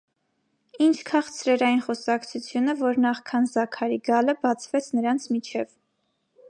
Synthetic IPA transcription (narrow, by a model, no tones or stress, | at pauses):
int͡ʃʰkʰɑχt͡sʰɾɛɾɑjinχɔsɑkt͡sʰut͡sʰjunəvɔɾnɑχkʰɑnzɑkʰɑɾiɡɑləbɑt͡sʰvɛt͡sʰnəɾɑnt͡sʰmit͡ʃʰɛv